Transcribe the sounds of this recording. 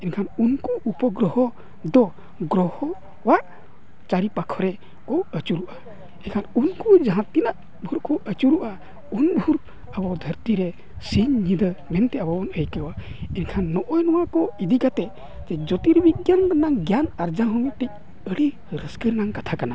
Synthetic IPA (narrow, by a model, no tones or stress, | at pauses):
ɛnkʰanunkuʔupɔɡɾɔhɔ | d̪ɔ | ɡɾɔhɔ | waʔ | t͡ʃaɾipakʰɔɾɛ | kɔwət͡ʃuɾuʔa | ɛnkʰanunkud͡ʒaɦãt̪ːinaʔ | bʱuɾkɔʔət͡ʃuɾuʔa | unbʱuɾ | əbɔd̪ʱəɾt̪iɾɛ | siɲːid̪əmɛnt̪ɛabɔɔnəjkəwa | inkʰanːɔʔɔjnɔwakɔid̪ikat̪ɛ | d͡ʒɛd͡ʒɔt̪iɾbiɡjandanaŋɡjanaɾd͡ʒaɦɔmiʈɛc̚ | əɽi | ɾəskəɾnaŋkat̪ʰakana